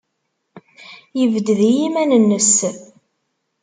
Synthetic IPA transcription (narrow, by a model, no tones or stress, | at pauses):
jəvd̪ðijimænənːəs